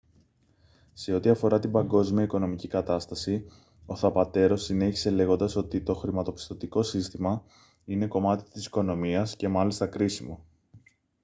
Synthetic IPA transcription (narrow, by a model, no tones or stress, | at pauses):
se̞o̞t̪iɐfo̞ɾɐt̪ibɐŋɡo̞zmiɐiko̞no̞micikɐt̪ɐst̪ɐsi | o̞θɐpɐt̪e̞ɾo̞sine̞çi̥se̞le̞ɣo̞nd̪ɐso̞t̪it̪o̞xɾimɐt̪o̞pi̥st̪o̞t̪iko̞sist̪imɐ | ine̞ko̞mɐt̪i̥t̪isi̥ko̞no̞miɐsce̞mɐlist̪ɐkɾisimo̞̰